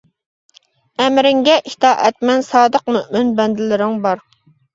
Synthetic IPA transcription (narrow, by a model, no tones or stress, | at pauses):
ɛmɾɪŋɡʲɛʔit̪ʰɑːʔɛt̪̚mɛnsɑːd̪əqmøʔmɪnbɛnd̪ɪlɪɾɪŋbɑɾ